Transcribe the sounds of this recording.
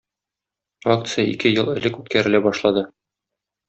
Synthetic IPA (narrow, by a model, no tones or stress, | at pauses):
ak̚t̪sɨjaḭkɘjɤlˠɘ̆lɘkʉt̪̚kæɾɘ̆læbɒʃlˠɑd̪ɤ